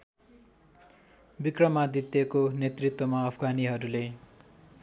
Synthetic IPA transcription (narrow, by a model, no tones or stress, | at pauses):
bikrʌmad̪it̪ekonet̪rit̪wʌmaʌpʰɡaniɦʌɾule